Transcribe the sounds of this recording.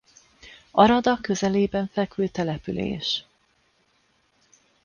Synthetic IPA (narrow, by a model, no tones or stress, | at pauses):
ɒɾɒd̪ɒkø̞zɛleːbɛɱfɛkylt̪ɛlɛpylḛːʃ